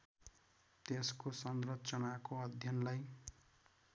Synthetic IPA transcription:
t̪eskosʌnrʌt͡sʌnakoʌd̪ʱjʌnlaj

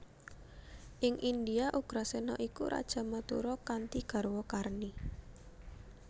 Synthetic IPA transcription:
ʔɪŋʔind̪iaʔuɡ̥ɾasenɔʔikuɾʔa̰d̥ʒ̥a̤mət̪ṵɾɔkant̪iɡ̥a̤ɾwɔkarni

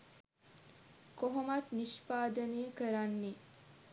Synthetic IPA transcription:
koɦomat̪niʃpaːd̪əneːəkəɾanːe

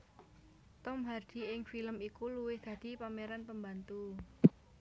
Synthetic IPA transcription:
t̪ɔmɦard̪̥i̤ɪŋfiləmikuluwɪhd̪̥ä̤d̪̥i̤pameɾanpəmbant̪u

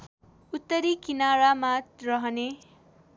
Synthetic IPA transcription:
ut̪ːʌɾikinaɾamarʌɦʌne

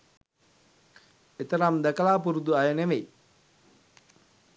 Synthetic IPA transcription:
et̪əɾamd̪ækəlaːpuɾud̪uajəneʋej

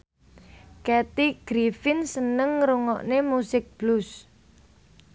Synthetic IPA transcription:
kɛt̪iɡ̥ɾifɪnsənəŋɾuŋɔ̰ʔnemusɪk̚b̥lus

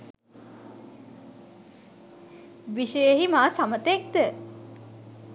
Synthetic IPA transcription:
ʋiʃəjeɦimaːsamət̪ek̚d̪ə

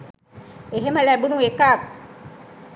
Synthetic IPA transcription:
eɦemalɛbunuekak̚

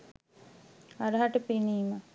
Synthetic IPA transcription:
aɾəɦaʈəpeniːmə

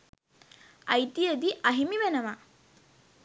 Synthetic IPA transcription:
ɐjt̪ijəd̪iʔɐɦimiʋenəma

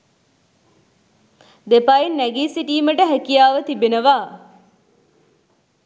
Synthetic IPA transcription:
d̪epainːæɡiːsiʈiːməʈəɦækijaːʋət̪ibenəʋaː

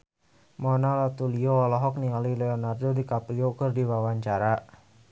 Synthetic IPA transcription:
mɔnalat̪ulioɔlɔɦɔk̚nialilɛɔnardodikapliokərdiwawaɲt͡ʃaɾa

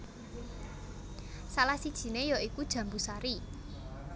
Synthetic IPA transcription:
salahsid̥ʒ̥i̤nejɔikud̥ʒ̥ä̤mbusaɾi

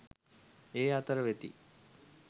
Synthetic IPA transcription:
eːat̪əɾəʋet̪ḭ

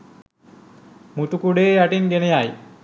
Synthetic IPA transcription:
mut̪ukuɖeːaʈiŋɡenejaj

